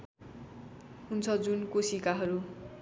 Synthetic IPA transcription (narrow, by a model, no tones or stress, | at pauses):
ɦunt͡sʰʌd͡zunkosikaɦʌɾu